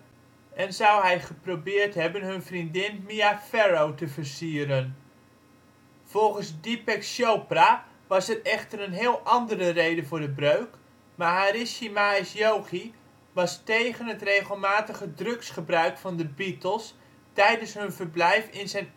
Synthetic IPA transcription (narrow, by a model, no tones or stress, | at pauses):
ʔɛnzʌwɦɛjχəprowbɪːɹtɦɛbənɦɵnvrindɪnmiafɛɹowtəvərsiːəɾən | v̥ɔlˠχənzdipɛksjowpra | ʋɑsɛrɛχtərənɦɪːlˠʔɑndərərejdəvʊːɹdəbrøɥk | maːɹɦaːrɪʃimaɪsjowχi | ʋɑstejχənɦətrejχəlˠmaːtəχədrɵksχəbrœɥkfɑndəbitəlˠs | tɛjdənsɦɵnvəɹblɛjfɪnzɛjn